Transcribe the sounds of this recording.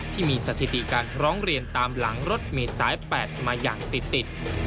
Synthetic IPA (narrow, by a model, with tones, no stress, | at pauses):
t̪ʰiː˥˩miː˧sa˧t̪ʰi˨˩t̪i˨˩kaː˧nʰɾɔː˦˥ŋɾi˧ənt̪aː˧mla˩˦ŋɾo˦˥t̪̚meː˧saː˩˦˥jpɛː˨˩t̪̚maː˧ja̰ː˨˩ŋt̪i˨˩t̪ːi˨˩t̪̚